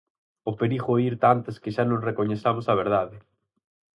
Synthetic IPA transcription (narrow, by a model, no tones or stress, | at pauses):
ʊpeɾixʊoiɾt̪ant̪ɐskɪʃanõsrekoɲeθamʊsɐβ̞eɾð̞aðɪ